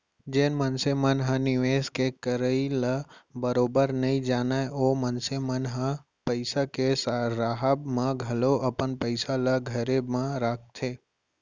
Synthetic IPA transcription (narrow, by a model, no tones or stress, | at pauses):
d͡ʒeːnmənsemənɦə̃nɪʋeːskekəɾəiləbəɾoːbəɾnəĩd͡ʒaːnaːeʔomənsemənɦə̃ | pəɪsakesɾaɦəbmãɡʱɐloʔəpənpəɪsaləɡʱəɾemẽɾakʰt̪ʰe